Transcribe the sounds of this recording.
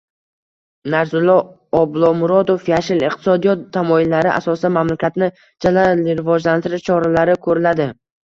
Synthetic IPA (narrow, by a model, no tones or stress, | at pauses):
naɾzʊlˠːɒ | ɒblˠɒmʊɾɒd̪ofjaʃɪlɪqt̪ʰɪ̥sɒd̪ijɒt̪ʰːamɒɪlːaɾɪʔa̰sɒsɪd̪anmamlakʲʰat̪nɪ | d͡ʒalaɪɾɪvɒd͡ʒlant̪ʰɪɾɪʃt͡ʃʰɒɾalaɾɪkʰɵɾɪlad̪ɪ